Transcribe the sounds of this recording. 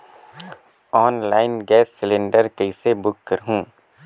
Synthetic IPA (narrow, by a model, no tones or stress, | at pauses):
ɔːnlaːɪnɡɛːsːɪlẽːɳɖəɾkəɪsebʊkːəɾɦũː